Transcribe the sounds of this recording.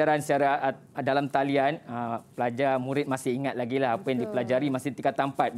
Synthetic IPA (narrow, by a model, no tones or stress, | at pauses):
aɾaansəaɾa | dalamt̪alianəpəlad͡ʒarmũɾɪt̪̚masɪɦiŋat̪̚laɡilaɦapajaŋdipəlad͡ʒaɾimasɪt̪ikat̪ampat̪̚